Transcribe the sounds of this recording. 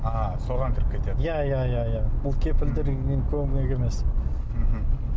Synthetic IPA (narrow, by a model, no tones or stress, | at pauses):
ɑso̞ʁɑŋkʲʰɪɾɪp̚kʰʲet̪ed̪jæjajajabʊlˠkʲʰe̞pɪld̪ɪɾɡneŋkʲʰɵɪneke̞me̞s | m̩ɦ̩